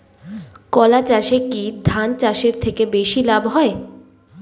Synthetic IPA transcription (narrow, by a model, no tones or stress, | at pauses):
kɔlat͡ɕaʃekid̪ʱant͡ɕaʃeɾt̪ʰekebeʃilabɦɔe